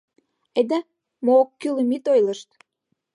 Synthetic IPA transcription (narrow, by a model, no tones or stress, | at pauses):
ed̪e | moːkːylə̆mit̪ojlə̆ʃt̪